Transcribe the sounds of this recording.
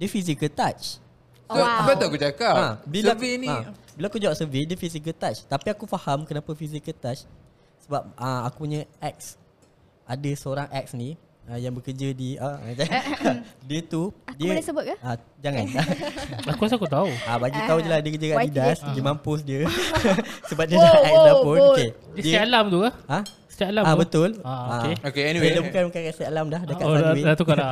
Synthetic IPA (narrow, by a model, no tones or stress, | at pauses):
diəfis̬ikəlt̪at͡ʃ | soabat̪uakut͡ʃakaabilsainiabilaakud͡ʒaaʔsəvisdiəfisik̬əlt̪at͡ʃt̪apiakufahamkənapafis̬ikəlt̪at͡ʃ | səbap̚əakupuɲə̃ʔɛk̚s | ʔadəsəoɾaŋʔɛk̚sni | əjaŋbəkəd͡ʒədiad͡ʒa | diət̪udiəasəbʊt̪̚kaad͡ʒaŋãnaakuas̬akut̪̬auabaɡit̪aud͡ʒəlasdiəkəd͡ʒəɡaʔidasɡimãmpʊsdiə | səbaʔ̚diəsaɛklapʊnoke | isdiaalamt̪ukaã | sə̥t̪jaʔlamabət̪ʊlaakeokeilabukanmakankasialamdahdakaaat̪ukala